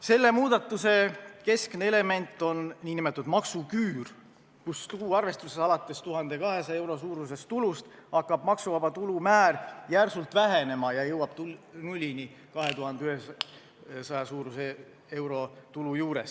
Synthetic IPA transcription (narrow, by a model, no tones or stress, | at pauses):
se̞lːe̞muːd̪̥ɑt̪ːˑuse̞ke̞skneele̞me̞nt̪ːˑo̞nnːiːnimet̪ːˑud̪̥mɑksukyːr | kust̪uuɑrve̞st̪usesɑlɑt̪ːˑe̞st̪uɦɑnd̪e̞kɑɦe̞sɑe̞wɾo̞suːɾuse̞st̪ulust̪ɑkːˑɑb̥mɑksuvɑbɑt̪ulumæːrjærsult̪væɦe̞ne̞mɑjɑjɤwɑb̥t̪unulʲːini | kɑɦe̞t̪uɦɑnd̪eyhes | sɑjɑsuːɾuse | e̞wɾo̞t̪ulujuːɾe̞s